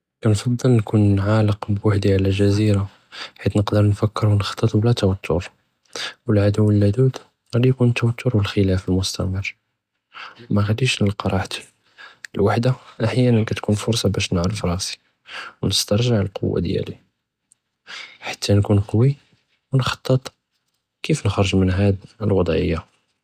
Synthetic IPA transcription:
kænfɑd̪ˤːəlnkunʕaləqbwaħd̪iʕlæʒæziɾa | ħit̪nəqd̪əɾnfækːəɾwnxɑ̥t̪ˤːət̪ˤblæt̪wæt̪ʰːʊ̰ɾ | wəlʕad̪uwːəlːæd̪ud̪ | ɣæd̪ijkunt̪ːæwæt̪ːʊɾwəlxəlæfəlmʊst̪æ̰mərː | mæɣæd̪iʃnəlqɑɾˤɑħt̪ | əlwaħd̪aʔaħjænənkæt̪kunfʊɾˤsˤɑbæʃnʕɾfɾˤɑsi̥ | wnəst̪ɑɾˤʒaʕəlqʊ̰wːa̰d̪jæ̰li | ħḁt̪ːænkunqɑwi | wnxɑ̥t̪ˤːət̪ˤ | kifnəxɾˤəʒmənɦæd̪əlwɑd̪ˤʕə̰jːa

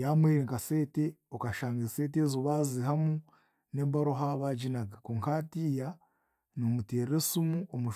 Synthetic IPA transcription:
jaːmweːɾeŋkase̞ːteokaʃaːŋɡezseːt̬ezoβaːzihamu | neːbaɾoɦaβaɟinaɡakoŋkatiːja | nomuteːɾesumuomuʃ

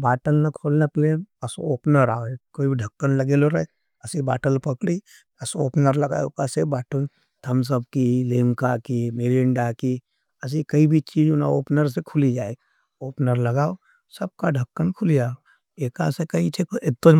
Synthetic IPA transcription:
baːʈəlnakʰolnapleːnɐsooːpnəɾaːoekoːibʱiɖʱɐkːənlɐɡeːloɾɐe | ɐsiba̰ːʈəlpɐkɽi | ɐsoːpnəɾlɐɡa̰ːokasebaːʈəl | t̪ʰɐms̬əb̚kileːmkakimeɾɪɳɖaki | ɐs̬ikɐibʱit͡ʃiːd͡ʒonaoːpnəɾs̬ekʰʊlid͡ʒaːe | oːpnəɾlɐɡaːo | sɐb̚kaɖʱɐkːənkʰʊlijaːo | eːkasekɐit͡ʃʰekɪt̪ːo

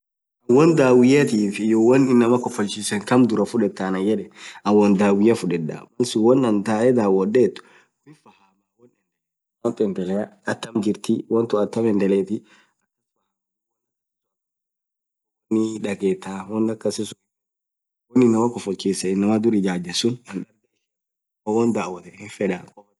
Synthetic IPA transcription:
ɐwɔnd̪aːwɪjɐt̪iːfɪjɔwɔnɪnːɐmɐkɔfɔlt͡ʃisɛŋkɐmd̪ʊɾɐfʊᶑɛt̪ːanɐjɛᶑɛʔɐwɐnd̪aːwɪjɐfʊᶑɛd̪a̰wɐnsɪwɔnːɐnt̪aːɛd̪aːwɔɗet̪ːʊ̥ | kɪfɐhamawɔnɛnɛ | wɔnt̪ɛnd̪ɛlɛjɐɐt̪ːɐmd͡ʒɪɾt̪ɪwɔnt̪ɔɐt̪ːɐmɛnd̪ɛlɛt̪i | ɐkːɐswa | niᶑɐɡɛt̪ːawɔnd̪ɐkːɐsɪs | ɔninːɐmakɔfɔkːisɛɪnːɐmad̪uɾid͡ʒaːd͡ʒɐsʊnɐnɗ | wɔnd̪awɐt̪ɛɪnfɛɗakʼɔ

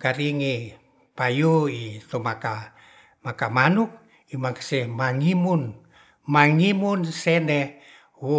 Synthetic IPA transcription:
kaɾiŋi | pajuit̪omaka | makamanuk̚ | imaŋkḁsɛhmaŋimun | maŋimunsɛnɛ | wu

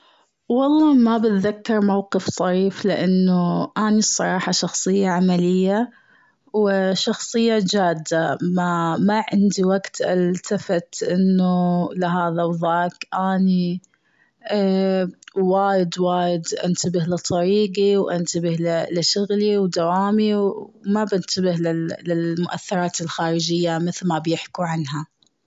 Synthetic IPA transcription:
wɑlˤːɑːmabɪt̪ðakːɑɾˤmawqɨft̪ˤɑɾiːflɪʔanːuʔaːnisˤːɑɾˤɑːħɑʃɑxsˤɨjːaʕamalɪjːa | wʃɑxsˤɨjːad͡ʒaːd̪ːamamaʕɪnd̪iwaɡt̪ʔalt̪afat̪ʔɪnːulɪɦaːðawðaːkʔaːni | waːjɪd̪waːjɪd̪ʔa̰nt̪abɪhlɨt̪ˤːɑɾiːɡiwʔant̪abɪhlɪlɪʃʊɣliwd̪awaːmiwmabɪnt̪abɪhlɪlɪlmʊʔa̰θːɪɾˤɑːt̪ɪlxaːɾɪd͡ʒɪjːamɪθlmabjɪħkuʕanɦa

